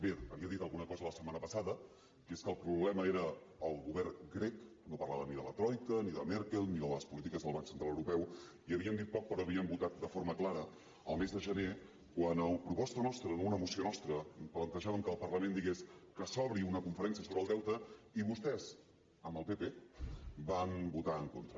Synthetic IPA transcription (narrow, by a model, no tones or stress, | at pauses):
beəβiəðit̪əlˠɣunəkɔzələsəmanəpəsaðə | keskəlˠpɾuβlɛməeɾəːlˠɣuβɛrɡɾɛk | nopərlaβəniðələt̪ɾɔjkəniðəmɛɾkelˠniðələspulit̪̬ikəzðəlˠβaksənt̪ɾalːəwɾupɛw | iəβiənd̪it̪̚pɔk̚pɾɔəβiəmbut̪at̪̚d̪əfoɾməklaɾə | əlˠmezðəʒəne | kwanəpɾupɔst̪ənɔst̪ɾənounəmusionɔst̪ɾəplənt̪əʒaβəmkəːlˠpərləmend̪iɣeskəsɔβɾiunəkuɱfəɾɛnsiəsoβɾəlˠd̪ɛwt̪əiβust̪ɛz | əmbəlˠpepe | bambut̪aəŋkont̪ɾə